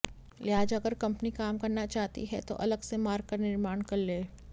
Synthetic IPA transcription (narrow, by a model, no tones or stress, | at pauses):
lɪɦaːd͡ʒɐɡəɾkɐ̃mpnikaːmkɐɾnat͡ʃaːɦt̪ḭɦɛ̰t̪o̰ʔɐləɡsemaːɾkɐɾnɪɾmaːɳkɐɾleː